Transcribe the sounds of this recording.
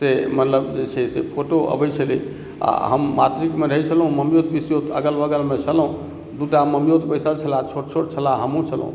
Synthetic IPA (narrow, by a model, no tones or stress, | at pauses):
semət̪ləbd͡ʒet͡ʃʰɛsepʰoʈoə̰bət͡ʃʰəlḭ | a̰ɦəmːat̪ɾikmeɾəɦɛt͡ʃʰəlɦũməmjot̪̚bisjot̪əɡəlbəɡəlmet͡ʃʰəlɦũ | d̪uʈaməmijot̪pəɪsəlt͡ʃʰəlat͡ʃʰoʈt͡ʃʰoʈt͡ʃʰəlaɦəmũt͡ʃʰəlɦṵ̃